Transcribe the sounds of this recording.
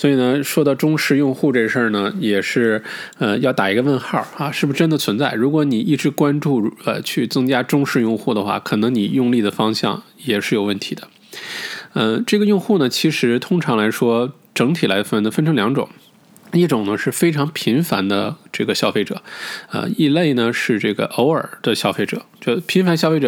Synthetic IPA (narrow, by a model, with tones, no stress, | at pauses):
swɔ˧˥i˨˩nə˦ʂwɔ˥d̪ɑ˧ʊʈ͡ʂʊ˥ŋʂɻ̩˥˧jʊ˥˧ŋxu˥˧ʈ͡ʂe˥˧˩ʂə˥˩nə˩jɛ˨˩ʂɻ̩˥˩ə˧jɑ˥˩ʊt̪a˨˩i˧˥ɡə˧ʋə˥˧nxa˥˩ɐ˧ʂɻ̩˥˩bu˩ʂ̩˥˧ʈ͡ʂə˥nd̪ə˨t͡sʰwə˧˥nt͡sa˥˩ɪɻu˧˥k̬wɔ˧˥ni˨˩i˥˩ʈ͡ʂɻ̩˧˥kwa˥nʈ͡ʂu˥˩ə̰˧˩t͡ɕʰy˥˩t͡sɤ˥ŋt͡ɕja˥ʈ͡ʂʊ˥ŋʂɻ̩˥˧jʊ˥˧ŋxu˥˩d̪ə˩xwa̰˥˩kʰɤ˨˩nɤ˧˥ŋni˨˩jʊ˥˧ŋli˥˩d̪ə˩fɑ˥ŋɕjɑ̰˥˩ŋ | jɛ˨˩ʂɻ̩˥˩jo˨˩ʊwə˥˩nt̪ʰi˧˥d̪ə˦ | ə˧ʈ͡ʂɤ˥˩ɡə˩jʊ˥˧ŋxu˥˩nə˩t͡ɕʰi˧˥ʂɻ̩˧˥t̪ʰʊ˥ŋʈ͡ʂʰɑ˧˥ŋla˧˥ɪʂwɔ˥ | ʈ͡ʂɤ˧˥ŋt̪ʰi˨˩la˧˥ɪfə˥nd̪ə˩fə˥nʈ͡ʂʰɤ˧˥ljɑ˧˥ŋʈ͡ʂʊ̰˨˩˦ŋ | i˥˩ʈ͡ʂʊ˨˩ŋnə˦ʂɻ̩˥˩fe˥ɪʈ͡ʂʰɑ˧˥ŋpʰi˧˥nfa̰˧˥nd̪ə˧ʈ͡ʂɤ˥˩ɡə˩ɕjɑ˥ʊfe˥˩ɪʈ͡ʂɤ̰˨˩˦ə̰˧i˥˧le˥˩ɪnə˩ʂɻ̩˥˧ʈ͡ʂɤ˥˩ɡə̰˩ʔo˧˥ʊə˞˨˩d̪̥ə˦ɕjɑ˥ʊfe˥˩ɪʈ͡ʂɤ̰˨˩˦t͡ɕjpʰi˧˥nfa˧˥nɕjɑ˥ʊfe˥˩ʈ͡ʂɤ˨˩